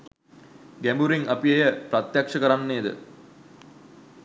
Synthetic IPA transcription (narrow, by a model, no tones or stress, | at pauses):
ɡæmbuɾiŋʔapiejəprat̪jakʂəkəɾanːeːd̪ə̰